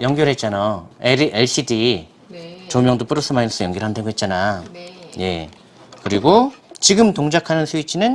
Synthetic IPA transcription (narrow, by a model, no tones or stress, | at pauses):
jʌŋɡjʌɾɦet̚t͡ɕ͈anaeeɭɕ͈ʰidi | t͡ɕomjʌŋdop͈uɾɯs͈ʰɯmains͈ʌjʌŋɡʌɾɦandʰeɡoɦe̞t̚t͡ɕ͈ana | je̞̰ | kɯɾiɡot͡ɕiɡɯmtoŋd͡ʑakʰanɯnsʰuit͡ɕʰinɯn